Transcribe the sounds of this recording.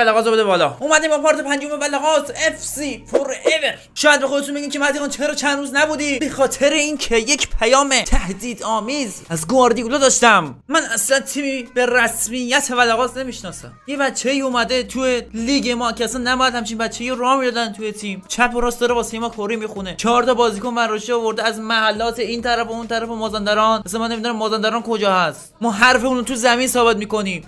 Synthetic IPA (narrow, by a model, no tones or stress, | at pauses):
ælæɣɒːzobed̪ebɒːlɒʔumæd̪imbɒpʰɒɾt̪ʰepænd͡ʒomebælæɣɒːzefsiːpʰoɾeve | ʃɔːjæd̪be̞xod̪et̪unbeɟimcʰemæt̪ʰiɣɑːnt͡ʃʰeɾɔt͡ʃʰænd̪ɾuːznæbuːd̪ibexɒːt̪ʰe̞ɾeiːncʰejecʰpʰæjɒːmet̪ʰæhd̪iːd̪ɒːmiːzæzɡoɒɾd̪iulɔd̪ɒːʃt̪æmːænæslænt̪ʰiːmibeɾæsmijːæt̪ʰevælæɣɒːzne̞miːʃnɒːsæ̰mjebæt̪t͡ʃʰːeiːuːmæd̪et̪ʰueliːɡemɒːkʰeæsænːæbɔjæd̪hæmt͡ʃʰinbæt̪t͡ʃʰːejioɾɒːmiːd̪ɒd̪ænt̪ʰujet̪ʰiːmt͡ʃʰæpoɾɒːsd̪ɒːɾebɒːsejmɒːkʰoɾimixunet͡ʃʰɒɾt̪ɒːbɒːziːkonbæɾːoʃeɒːvo̞ɾd̪eæzmæhælːɒːt̪ʰe̞iːnt̪ʰæɾæfount̪ʰæɾæfomɒːzænd̪æɾɒːnæsænmænːemid̪unæmːɒːzænd̪æɾɑːnkʰo̞d͡ʒɒːhæst̪mɔːɦæɾfeunot̪ʰuzæmiːnsɒːbet̪miːko̞niːm